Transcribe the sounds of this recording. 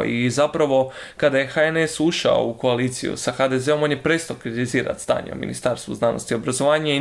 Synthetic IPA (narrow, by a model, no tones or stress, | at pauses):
izapɾaʋo̞ | kad̪aje̞xaenesuʃa̰o̰uko̞aliːt̪sḭjṵsaxad̪eze̞o̞mo̞njepɾe̞ːst̪aokɾit̪iziːɾa̰t̪st̪a̰ːɲḛo̰mḭnḭst̪aːɾst̪ʋṵznaːnost̪io̞bɾazo̞ʋaːɲai